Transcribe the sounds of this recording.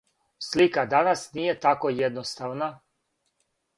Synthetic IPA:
slikad̪anasnije̞t̪akojed̪nost̪aʋna

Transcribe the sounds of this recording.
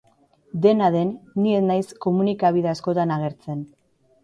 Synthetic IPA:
d̪e̞naðe̞nːienajsko̞munikaβiðeasko̞t̪anaɣ̞e̞ɾt͡se̞n

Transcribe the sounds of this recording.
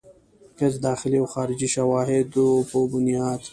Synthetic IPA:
kɐzd̪ɑːxɪliawxɑːɾɪd͡ʒiʃawɑːɦɪd̪opobʊnjɑːd̪

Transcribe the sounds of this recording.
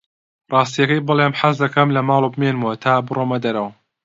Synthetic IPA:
rˤɑːs̬t̪ijɐkɐjbɨlˠemħazd̪ɐkɐmlɐmɑːlˠobɨmeːnmuwɐt̪ʰaːbɨromɐd̪ɐɾɐwɐ

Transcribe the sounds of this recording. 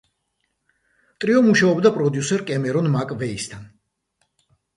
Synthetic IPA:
t̪ʼɾiɔmuʃaɔbd̪apʼɾɔd̪jusɛɾkʼɛmɛɾɔnmakʼvɛist̪ʰan

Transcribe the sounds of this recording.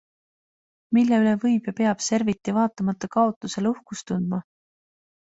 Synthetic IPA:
milːeylevɤjb̥jɑpe̞ɑb̥se̞ɾvit̪ːˑivɑːt̪ːˑɑmɑt̪ːˑɑkɑo̞t̪ˑːuse̞luhkust̪und̪̥mɑ

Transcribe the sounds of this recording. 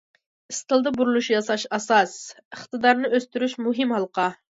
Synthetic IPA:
ɨst̪ɨlˠd̪ɑbuɾulˠuʃjɑsɑʃɑsɑs | əχt̪ɨd̪ɑɾnɨʔøst̪yɾyʃmuɦɪmhɑlˠəqɑ

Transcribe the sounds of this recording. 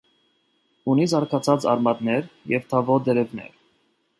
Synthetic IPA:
unizɑɾkʰɑt͡sʰɑt͡sɑ̰ɾmɑd̪nɛɾjɛvt̪ʰɑvɔd̪ɛɾɛvnɛ̰ɾ

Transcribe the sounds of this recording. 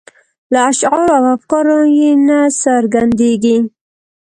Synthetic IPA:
laːʃɣɑɾoawafkɑɾojenasaɾɡand̪eɡi

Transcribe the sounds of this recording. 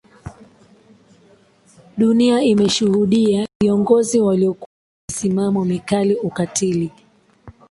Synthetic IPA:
ɗuniaimɛʃuhuɗiaviɔŋɡɔziwaliɔkuwa | m̩simamɔmikaliukatili

